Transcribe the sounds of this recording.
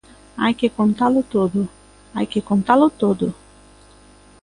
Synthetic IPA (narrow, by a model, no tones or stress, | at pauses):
a̰jkɪkõnt̪alʊt̪od̪ʊ | a̰jkɪkõnt̪alʊt̪od̪ʊ